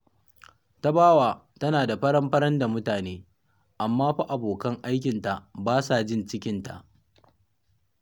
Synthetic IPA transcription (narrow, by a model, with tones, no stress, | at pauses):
ta˦baː˦waː˨ | tɐ˦naː˨da˨ɸɐ˦ɽɐ˦mɸɐ˦ɾɐ˦nda˨mʊ˦taː˨neː˦ | ʔa˨mːaː˦ɸa˦ʔa˨boː˨kɐ˦ŋʔa˦jkʲɪ˨nta˨baː˦sa˨d͡ʒɪ˦nt͡ʃɪ˦kʲɪ˦nta̰˨ʔ